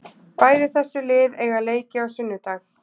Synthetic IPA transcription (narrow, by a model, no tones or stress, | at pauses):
paːjðɪθɛsːʏlɪːðɛɣaleːjcɪawsʏnːʏt̪aːx